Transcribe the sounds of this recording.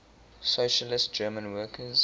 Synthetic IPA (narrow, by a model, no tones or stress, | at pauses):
soʃəlɪst̚d͡ʒɜːmə̃nwɜːˑkʰəz